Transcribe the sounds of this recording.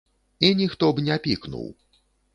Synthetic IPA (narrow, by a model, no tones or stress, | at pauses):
inʲixt̪ɔbnʲɛpʲiknṵw